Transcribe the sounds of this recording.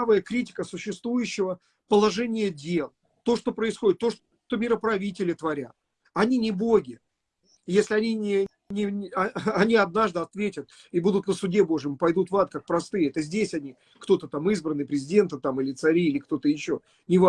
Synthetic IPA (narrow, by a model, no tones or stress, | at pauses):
vəjəkɾʲitʲɪ̥kəsʊɕːɪst̪vujʉɕːɪvə | pəlˠɐʐɛnʲɪjədʲe̞lˠ | t̪o̞ʂt̪o̞pɾəɪsxo̞dʲɪt̪ːo̞ʂ | ʂt̪o̞mʲɪɾəpɾɐvʲitʲɪlʲɪt̪vɐɾʲat̪ | ɐnʲinʲɪboɡʲɪ | jesʲlʲɪɐnʲinʲɪ | nʲɪɐnʲiɐd̪naʐd̪ɨɐt̪vʲetʲət̪̚ | ibud̪ʊt̪nəsʊdʲebo̞ʐɨjɪmpɐjd̪ut̪vat̪̚kak̚pɾɐst̪ɨjɛt̪əzʲdʲesʲɐnʲi | kt̪o̞t̪ət̪amɨzbɾənːɨpɾʲɪzʲɪdʲe̞nt̪ət̪amilʲɪt̪sɐɾʲiːlʲɪkt̪o̞t̪əjɪɕːo | nʲɪva